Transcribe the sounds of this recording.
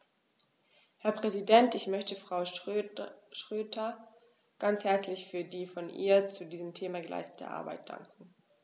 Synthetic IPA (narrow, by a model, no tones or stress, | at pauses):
hɛɐpʁ̥ɛzidɛntɪçmœçtəfʁ̥aʊ | ʃʁ̥øːtʰɐ | ɡ̥ant͡shɛɐt͡slɪçfyːɐdiːfɔnʔḭːɐt͡sudiːzəmtʰeːmaɡəlʔa̰ɪstə̥tʰə̰ʔa̰ɐba̰ɪt̚d̥a̰ŋkŋ̩